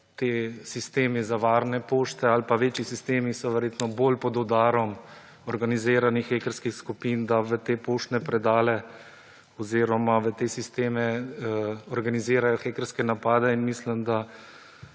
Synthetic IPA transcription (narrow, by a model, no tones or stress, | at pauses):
t̪eːsist̪eːmizaʋaːɾnɛpoːʃt̪ɛalpaʋeːt͡ʃisist̪eːmisɔʋɛɾjeːt̪nɔboːlpɔd̪ɔd̪aːɾɔm | ɔɾɡaniziːɾanixːeːkəɾskixskupind̪aʋət̪eːpoːʃt̪nɛpɾɛd̪aːlɛ | ɔziːɾɔmaʋət̪eːsist̪eːmɛ | ɔɾɡaniziːɾajɔxeːkəɾskɛnapaːd̪ɛinmislimd̪a